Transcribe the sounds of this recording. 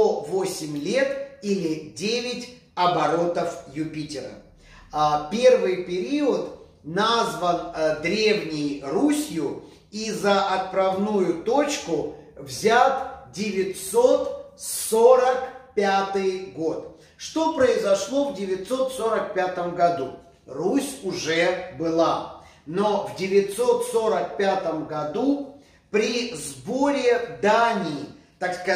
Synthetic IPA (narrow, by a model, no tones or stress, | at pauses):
ovosʲɪmʲlʲe̞t̪ilʲɪdʲevʲɪtʲ | ɐbɐɾo̞t̪əfjʊpʲitʲɪɾə̰ | pʲe̞rvɨjpʲɪɾʲiʊt̪ | nazvənd̪ɾʲe̞vnʲɪjrusʲjʊ | izəʔɐt̪̚pɾɐvnujʊt̪o̞t͡ɕkʊ | vzʲat̪dʲɪvʲɪt̪so̞t̪soɾəkpʲat̪ɨjɡo̞t̪ | ʂt̪o̞pɾəɪzɐʂlˠo̞vdʲɪvʲɪt̪so̞t̪soɾək̚pʲat̪əmɡɐd̪u | rusʲʊʐɛbɨlˠa | novdʲɪvʲɪt̪so̞t̪so̞ɾək̚pʲat̪əmɡɐd̪u | pɾʲɪzboɾʲɪd̪anʲɪːt̪akskɐ